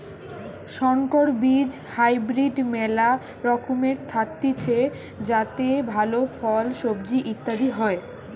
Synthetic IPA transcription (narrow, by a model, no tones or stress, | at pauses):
ʃɔŋkoɾbid͡ʑ | hajbɾiɖmɛla | ɾɔkʰomeɾt̪ʰat̪ːit͡ɕʰe | d͡ʑat̪ebʱalofɔlʃobd͡ʑiʔit̪ːad̪iɦɔe